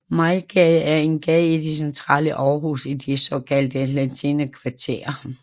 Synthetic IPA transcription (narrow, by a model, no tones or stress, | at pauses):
mɑɪlɡ̥ɛæɐe̝nɡ̥ɛðˠid̥isent͡sʰʁɑ̰̈ːləʔɒːɦusid̥isɒkʰæld̥əlæt͡sʰinəkʰʋɑ̈t͡sʰe̝̰ːɐ